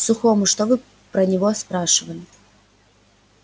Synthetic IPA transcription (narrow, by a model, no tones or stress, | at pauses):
sʊxɔmʊʂt̪ɔvɨ | pɾɐnʲɪvɔspɾaʂɨvɐlʲɪ